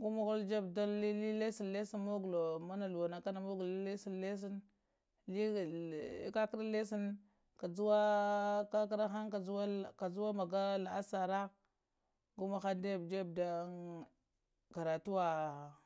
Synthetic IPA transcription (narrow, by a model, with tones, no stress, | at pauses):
ɡu˦ma˦ɣu˦ld͡ʒe˦bda˦i˦i˦le˦si˦nle˦si˦nmo˦ɡu˨lo˨ma˦na˨lu˨wa˨na˨ka˦na˨mo˦ɡu˨li˦le˦si˦nle˦s̬i˦n | li˦˨˦ka˦ki˦ɾa˦le˦si˦n | ka˨d͡zu˦wa˦ka˦k̬ɾa˦xa˦nka˨u˦a˦˨ka˨zu˦wa˦ma˨ɡa˦la˨a˦sa˨ɾa˦ | ɡu˦ma˨xa˦nde˦˨bd͡ʒe˦b̚da˦ | ɡ̥a˨ɾa˨tu˦wa˨